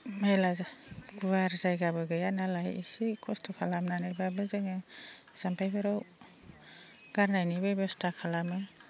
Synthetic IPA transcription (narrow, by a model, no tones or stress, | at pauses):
melazaɡuwaɾzajɡabɯɡɯjanalajḭsikʰɔstʰɔkʰalamnanajbabɯzeŋɯ | z̥ampʰajbaɾaw | ɡ̥aɾnajnibebɔstʰakʰalamɯ